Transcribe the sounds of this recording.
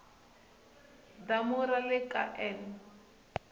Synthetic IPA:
damuɾalɪkʼa̰ʔɛn

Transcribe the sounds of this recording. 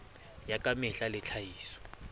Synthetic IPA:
jakʼamɪɬalɪt͡ɬʰajiːsɔ̥

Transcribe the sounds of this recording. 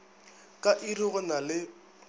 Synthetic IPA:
kʼaʔiriɣʊnalɪ

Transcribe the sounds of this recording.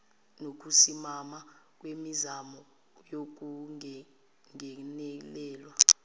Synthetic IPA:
nok̬usimamak̬ʼwemizamɔ | jok̬u | ŋɛnɛlɛːlwa

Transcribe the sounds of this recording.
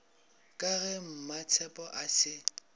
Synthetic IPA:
kʼaɣɛm̩mat͡sʰɛpʼɔʔasɪ

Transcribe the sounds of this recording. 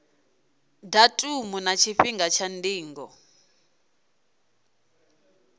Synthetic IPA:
datʼumunat͡ʃʰiɸiŋɡat͡ʃʰandiːŋɡɔ̰

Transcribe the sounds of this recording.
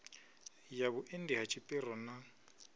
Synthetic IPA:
jaβʊʔendiɦat͡ʃʼipʼɪɾɔna

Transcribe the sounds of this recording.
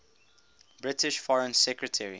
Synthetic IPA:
b̥ɹɪtɪʃfɔɹə̃nsɛkɹətʰɛɹḭ

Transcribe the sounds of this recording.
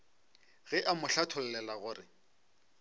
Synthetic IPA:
ɣɛʔamʊɬatʰʊlɛlɛlaɣʊːrɪ

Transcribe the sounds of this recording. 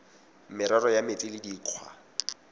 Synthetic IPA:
mɪɾarɔjamɪtʼɪlɪdiːq͡χʰwa̰

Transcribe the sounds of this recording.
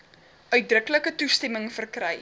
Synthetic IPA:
œɥt̚drəkləkətustɛməŋfərkrɛj

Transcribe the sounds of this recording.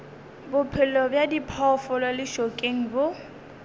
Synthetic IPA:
bʊpʰɪlɔbjadipʰɔfɔlwalɪʃokʼeŋ̩bʊ

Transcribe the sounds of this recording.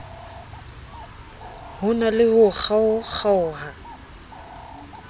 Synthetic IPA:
hʊnalɪhʊk͡xʰaʊk͡xaʊːɦa

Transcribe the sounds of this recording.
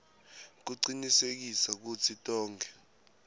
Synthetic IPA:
k̬uǀinisek̬isak̬ut͡sʰitʼɔːŋɡʱɛ

